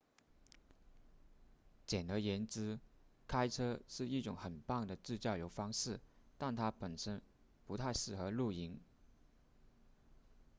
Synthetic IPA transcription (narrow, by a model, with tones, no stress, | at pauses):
t͡ɕjɛ˨˩nd̪ə˧˥jɛ˧˥nt͡sɻ̩˥kʰa˥ɪʈ͡ʂʰɤ˥ʂɻ̩˥˧i˥˩ʈ͡ʂʊ˨˧˥ŋxə˨˩npɑ˥˩ŋd̪ə˩ʈ͡ʂɻ̩˥˧t͡ɕjɑ˥˩ʊjo˧˥ʊfɑ˥ŋʂɻ̩˥˩ | t̪a˥˩nt̪ʰa˥pə˨˩nʂə˥n | pu˧˥t̪ʰa˥˧ɪʂɻ̩˥˩xɤ˧˥lu˥˩i˧˥ŋ